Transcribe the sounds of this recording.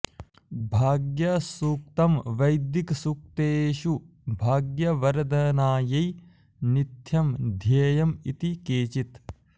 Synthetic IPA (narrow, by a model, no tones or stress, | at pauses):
bʱaːɡjɐsuk̚t̪ɐmʋɐjd̪jiksuk̚t̪eːʃu | bʱaːɡjɐʋɐɾd̪ɐnaːjɐj | nit̪ʰjɐmd̪ʱjeːjɐmit̪ikeːt͡ʃit̪